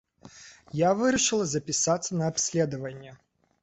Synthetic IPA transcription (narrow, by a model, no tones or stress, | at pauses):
javɨɾʲɪʂɨlˠɐzɐpʲɪsat̪sːənɐɐpsʲlʲed̪əvənʲːə